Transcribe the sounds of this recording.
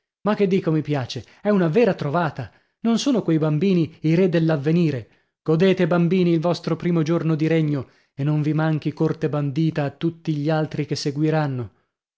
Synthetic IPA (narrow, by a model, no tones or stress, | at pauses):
makːed̪ːiːkomipjaːt͡ʃe | ɛunavɛːɾat̪ɾovaːt̪a | nonsoːnokwejbambiːniiɾed̪elːavːeniːɾe | ɡ̥od̪eːt̪ebambiːniːlvɔst̪ɾopɾiːmod͡ʒornod̪iɾeɲːo | enːoɱvimaŋk̟ikort̪eband̪iːt̪aːt̪ːut̪ːiʎialt̪ɾikesːeɡwiɾanːo